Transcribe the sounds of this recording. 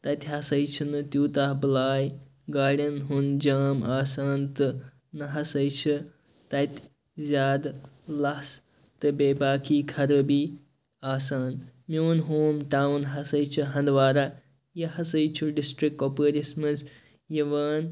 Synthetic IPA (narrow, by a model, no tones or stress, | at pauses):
t̪ɐt̪ʲɦɐsɐjt͡ʃʰinɨt̪juːt̪aːhbɨlaːj | ɡaːɽʲɐnɦund͡ʒaːmaːsaːnt̪ɨ | nɐɦɐsɐjt͡ʃʰɨ | t̪ɐt̪ʲ | zʲaːd̪ | lɐs | t̪ɨbeːbaːkiːkʰɐɾɨbi | aːsaːnmiwunɦoːmʈawnɦɐsɐjt͡ʃʰɨɦɐnd̪ʋaːɾa | jɐhɐsɐjt͡ʃʰuɖisʈɾikkːopəɾismɨs | jɐʋaːn